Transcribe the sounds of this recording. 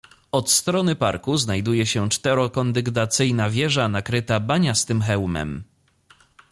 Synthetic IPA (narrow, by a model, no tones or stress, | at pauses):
ɔt̪st̪ɾɔnɘpa̰ɾkuznajd̪ujɛɕɛt͡ʂt̪ɛɾɔkɔnd̪ɘɡd̪at̪sɘjnavʲjɛʐanakɾɘt̪abaɲast̪ɘmxɛwmɛ̰m